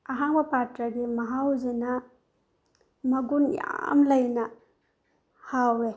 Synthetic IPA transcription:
ɐɦaŋbɐpatɾɐɡimɐɦawzinɐ | mɐɡunja̰mlɐjnɐ | hawɾe

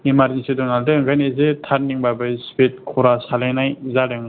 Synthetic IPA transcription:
imaɾinsidɔnaldɯɯŋɡanezetʰaɾniŋbabɯspet̚kʰuɾasalajnajzaɾɯŋ

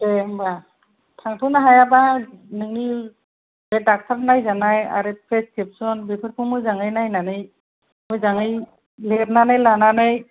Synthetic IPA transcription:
temba | tʰaŋtʰunaɦajabanɯŋni | bɛdak̚tʰaɾnajzanaja̰ɾepʰeskʰep̚sɔnbipʰɯɾpʰumujzaŋɯjnajnanɯj | mujzaŋɯj | leɾ̚nanajlananaj

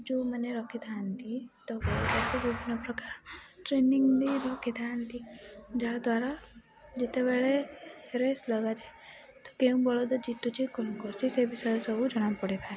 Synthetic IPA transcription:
d͡ʒoməneɾɔkʰit̪ʰant̪ʰit̪ɔbekakubibʱinːɔpɾɔkaɾʈɾeniŋɡd̪iɾɔkʰit̪ʰant̪id͡ʒad̪waɾa | d͡ʒit̪ebeɭeɾesləɡad͡ʒae | t̪ɔ̥keũbɔɭod̪ɔd͡ʒit̪ut͡ʃʰikɔnukɔɾt͡ʃʰisebisɔjɔsɔbʱud͡ʒɔɽ̃anpɔɽipʰaɾe

